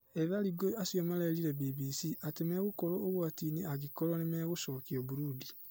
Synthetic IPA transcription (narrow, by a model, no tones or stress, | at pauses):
eðaɾiɡoasjomaleɾiɾebiβisiʔatemeːɣokoɾooɣwatiːniaɣikoɾonemeːɣosoːkioβuɾudi